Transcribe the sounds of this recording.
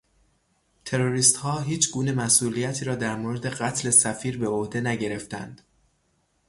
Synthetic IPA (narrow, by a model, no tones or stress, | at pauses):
t̪ʰe̞ɾoɾiːst̪hɒːɦiːt͡ʃʰɡuːne̞mæsʔuːlijæt̪ʰiːɾɒːd̪æɾmoːɾe̞d̪e̞ɢæt̪ʰle̞sæfiːɾbeohd̪e̞næɟe̞ɾe̞ft̪æ̰nd̪̥